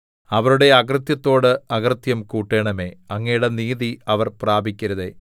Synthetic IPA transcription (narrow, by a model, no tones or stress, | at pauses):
ɐʋɐɾuɽe̞ɐkrɨt̪jɐt̪ːo̞ːɽɨɐɡrɨt̪jɐmkuːʈːe̞ːɳɐme̞ːɐŋːɐjuɽe̞niːðiɐʋɐrpraːbʱikʲːɐɾɐðe̞ː